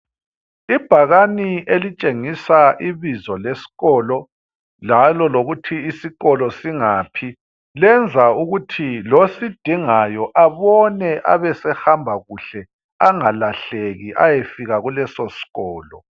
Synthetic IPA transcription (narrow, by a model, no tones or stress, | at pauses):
ib̥ʱaɣaniʔelit͡ʃʼeŋisaʔiβizɔlesi̥ɣɔːlɔ | lalɔloɣutʰiːsiɣɔlɔsiŋapʰi | lɛnd͡zʱauɣutʰilosid̥ʱiŋajɔʔaβɔnɛʔa̰βɛsɛhambʱaɣuɬɛ | aŋalaɬeɣiʔa̰jefiɣaɣulɛsɔsi̥ɣɔːlɔ